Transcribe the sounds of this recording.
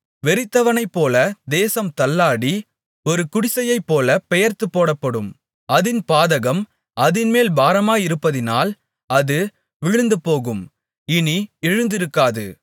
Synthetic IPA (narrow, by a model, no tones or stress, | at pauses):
ʋɛɾɪt̪ːɐʋɐnɐɪpːoːlɐd̪eːsɐmt̪ɐlːaːɽi | ɔɾɯkʊɽɪsɐjɐɪpːoːlɐpɛjɐɾt̪ɯpːoːɽɐpːɐɽɯm | ɐðɪnpaːðɐɣɐm | ʔɐðɪnmeːlbaːɾɐmaːjɪɾɯpːɐðɪnaːl | ɐðɯ | ʋɪɻɯnd̪ɯpoːɣɯm | ɪniɛɻɯnd̪ɪɾɯkːaːðɯ̰